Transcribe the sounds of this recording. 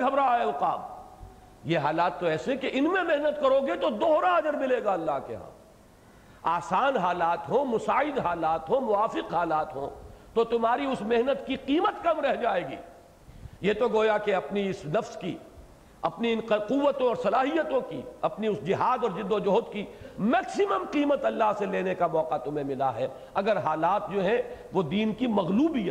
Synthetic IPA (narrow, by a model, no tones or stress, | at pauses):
ɡʱɐbɾaeʊqa̰ːb | jeɦaːlaːt̪ːoɛːsekeʔɪnmẽmeɦnət̪kɐɾoːɡet̪od̪oːɾaɐd͡ʒəɾmɪleːɡaɐlːaɦkḛɦã̰ː | aːsaːnɦaːlaːt̪ɦõːmʊsaːɪd̪ɦaːlaːt̪ɦõmʊaːfɪqɦaːlaːt̪ɦõ̰ːt̪ot̪ʊmɦaːɾiʊsmeɦnət̪kiqiːmət̪kɐmɾɛɦd͡ʒaːeːɡḭː | jet̪oɡoːjakeɐpniɪsnɐfskḭ | ɐpniɪnquʋːət̪õɔːɾsɐlaːɦijət̪õkḭɐpniʊsd͡ʒɪɦaːd̪ɔːɾd͡ʒɪd̪od͡ʒɐɦʊːt̪kimɛːksɪməmqiːmət̪ɐlːaɦseleːnekamɔːqat̪ʊmɦẽmɪlaɦɛː | ɐɡəɾɦaːlaːt̪̚d͡ʒoːɦɛ̃ʋod̪iːnkimɐɣluːbija